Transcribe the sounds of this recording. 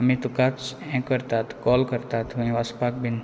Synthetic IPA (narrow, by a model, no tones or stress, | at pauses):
ɐmĩt̪ukat͡sɛ̃kəɾt̪at̪ʰkɔːlkəɾt̪at̪ʰũĩʋaspak̚bin